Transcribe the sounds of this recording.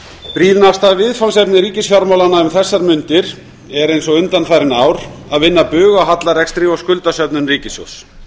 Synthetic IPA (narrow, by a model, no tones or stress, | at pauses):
pɾiːðnawst̪aðvɪðfawnsɛpnɪɾiːcɪsfjɔɾmawlanaʏmθɛsːaɾmʏnt̪ɪɾ̥ | ɛɾejnsɔɣʏnt̪anθajɾɪnaːwɾ̥aðvɪnːapʏːɣawɦat̪laɾɛkst̪ɾɪɔwskʏlt̪asœpnʏnriːcɪso̰s